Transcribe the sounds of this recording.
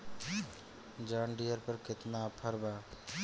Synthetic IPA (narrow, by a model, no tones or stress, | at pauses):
d͡ʒaːɳɖijəɾpəɾkɪt̪napʰəɾbaː